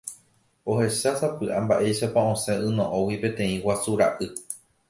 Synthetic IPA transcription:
ohe̞ʃasapɨʔambaʔe̞jʃapaõ̞sẽ̞ʔɨ̃nõʔõwipẽ̞t̪ẽ̞ĩwasuɾa̰ʔɨ

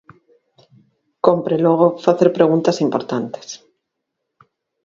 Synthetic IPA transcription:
kompɾeloɣ̞ofaθeɾpɾeɣ̞unt̪asimpoɾt̪ant̪e̥s

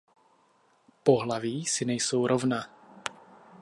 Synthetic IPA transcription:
poɦlaviːsɪnɛjsowɾʔovna

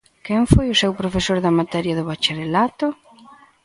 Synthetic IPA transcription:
kɛŋfojʊsewpɾofesoɾðɐmat̪ɛɾjɐðʊβat͡ʃeɾelat̪ʊ

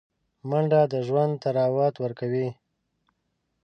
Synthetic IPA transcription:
maɳɖad̪əʒwand̪̚t̪aɾɑwɑt̪wəɾkawi

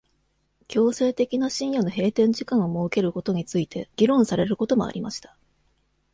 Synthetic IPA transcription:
kʲo̞ːse̞ːt̪e̞kʲinaɕĩɰ̃jono̞ɦe̞ːt̪ẽ̞ɲ̟d͡ʑikãɰ̃omo̞ːke̞ɾɯ̟ko̞t̪o̞ɲ̟it͡sɨit̪ʰe̞ɡ̥ʲiɾõ̞ɰ̃saɾe̞ɾɯ̟ko̞t̪o̞mo̞̰a̰ɾʲimaɕi̥t̪ḁ

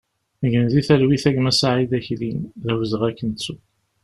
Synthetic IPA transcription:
əʝənðiθælwiθæʝmæsaʕiðæçlinðæwəzəʁækːənt͡sːu

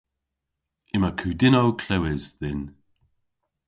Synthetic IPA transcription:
ɪmakʰʉːdɪnowkʰl̥ɛwɪzðɪn

